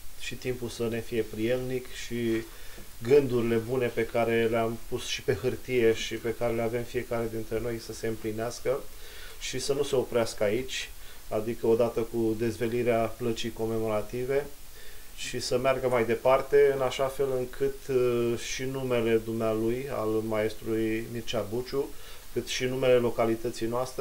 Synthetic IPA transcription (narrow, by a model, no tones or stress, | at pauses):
ʃit̪impulsəne̞fije̞pɾije̞lnikʃi | ɡɨnd̪uɾile̞bune̞pe̞kaɾe̞leampusʃi̥pe̞ɦɨrt̪ije̞ʃipe̞kaɾe̞leave̞mfije̞kaɾe̞d̪int̪ɾe̞no̞jsəse̞ɨmplineaskə | ʃisənuse̞o̞pɾeaskəait͡ʃʲ | ad̪ikəo̞d̪at̪əkud̪e̞zve̞liɾeaplət͡ʃijko̞me̞mo̞ɾat̪ive̞ | ʃisəmearɡəmajd̪e̞part̪e̞ɨnaʃafe̞lɨŋkʰɨt̪ʃinume̞le̞d̪umnealuja̰lmae̞st̪ɾulujmirt͡ʃabut͡ʃukɨt̪ʃinume̞le̞lo̞kalit̪ət̪sijnoast̪ɾe